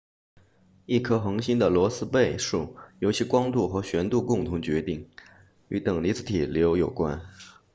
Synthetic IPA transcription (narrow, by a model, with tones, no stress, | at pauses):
i˥˩kʰɤ˥xɤ˧˥ŋɕi˥nd̪ə˨lwɔ˧˥sɹ̩˥pe˥˧ɪʂu˥˩jo˧˥ʊt͡ɕʰi˧˥kwɑ˥ŋt̪u˥˩xɤ˧˥ɕɥɛ˧˥nt̪u˥˧kʊ˥˩ŋt̪ʰʊ˧˥ŋt͡ɕɥɛ˧˥t̪i˥˩ŋ | y˧˥t̪ɤ˨˩ŋli˧˥t͡sʰɹ̩˧˥t̪ʰi˨˩ljo˧˥ʊjo˨˩ʊkwa̰˥n